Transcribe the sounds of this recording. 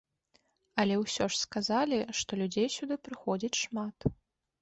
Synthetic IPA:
ɐlʲɛwsʲɔʂskazalʲiʂt̪ɔlʲud͡zʲejsʲud̪ɨpɾɨxɔd͡zʲit͡sʲʂmat̪

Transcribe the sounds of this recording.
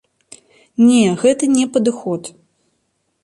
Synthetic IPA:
nʲɛɣɛt̪ɐnʲɛpɐd̪ɨxɔt̪

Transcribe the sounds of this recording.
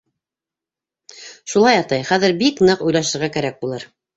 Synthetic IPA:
ʃulˠɑjɑt̪ɑjχæðɘɾbiknɤqujlˠɑʃɤ̆ɾʁækæɾæk̚bulˠɤɾ

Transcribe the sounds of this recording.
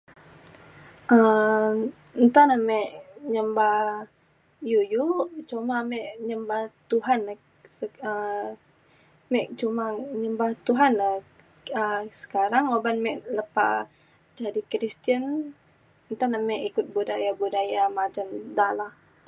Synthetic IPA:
ʔə | nt̪anamɛʔɲəmbah | jujut͡ʃumamɛʔɲəmbaht̪uɦan | səə | mɛʔt͡ʃumaɲəmbaht̪uɦana | əsə̥kaɾaŋobanmɛʔləpa̰ | d͡ʒadikɾist̪iən | nt̪anamɛʔikʊt̪̚budajabudajamat͡ʃand̪alah

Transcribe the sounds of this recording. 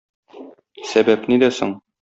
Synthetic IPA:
sæbæpnid̪æsoɴ

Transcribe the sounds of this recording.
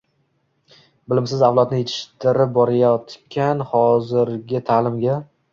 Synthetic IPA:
bɪlɪmsɪzawlˠɒt̪nɪjet̪ʰɪ̥ʃt̪ɪɾɪp̚bɒɾajɒt̪kʲʰanχɒzɪɾɡʲɪt̪ʰaːlɪmɡʲa

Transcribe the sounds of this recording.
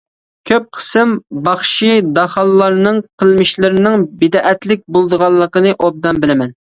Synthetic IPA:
kʲʰøp̚qʰə̥sɨmbɑχʃid̪ɑχɑlˠːɑɾnɨŋqʰəlˠmɪʃlɪɾɪnɪŋbɪd̪ɑʔɛt̪lɪk̚ʲbolˠd̪əʁɑlˠːəqənɨʔob̚d̪ɑnbɪlɪmɛn

